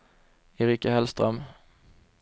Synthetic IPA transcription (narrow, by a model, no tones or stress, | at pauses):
ɛɾiːkaɦɛlst̪ɾœm